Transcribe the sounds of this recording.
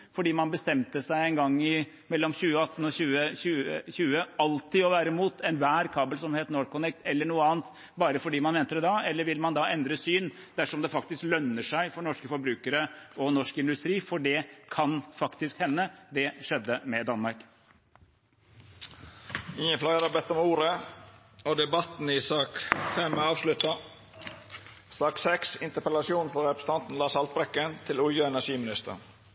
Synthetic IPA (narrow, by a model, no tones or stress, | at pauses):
fɔɖiːmɑnbəst̪ɛmt̪əsæɪɛnɡɑŋːɪ | mɛlːɔmçʉːəɑt̪ːn̩ɔçʉːəçʉːəçʉːəɑlt̪ɪɔʋæːɾəmuːt̪ʰɛnʋæːɾkʰɑːbəlsɔmheːt̪noːɾkʊnɛk̚t̪ɛlːəɳuːəɑːnt̪ | bɑːɾəfɔɖiːmɑnʋɛnt̪əɾɛd̪ɑɛlːəɾʋɪlmɑnd̪ɑʔɛnd̪ɾəsyːn | d̪̥æʂɔmd̪ɛfɑkt̪ɪsklœnːəʂæɪfɔɾɳɔʂkəfɔɾbɾʉːkəɾəʔɔnɔʂkəɪnd̪ʉst̪ɾiːfɔɖɛkʰɑnfɑkt̪ɪskhɛnːəd̪ɛʂɛd̪ːəmɛd̪ɑnmɑɾk | ɪŋənflɑɡəɾɑbɛt̪ːɔmuːɾə | ɔd̪ɛbɑt̪n̩ɪsɑːkfɛmɑːʋʂlʉt̪ɑ | sɑːksɛksɪnt̪əɾpɛlɑsɪuːnfɔɾɛpɾəsə̥n̩ɑnt̪n̩lɑːsɑlt̪̚bɾɛkːənt̪ʰɪlʊljəɛnæʂiːmɪnɪst̪ə̰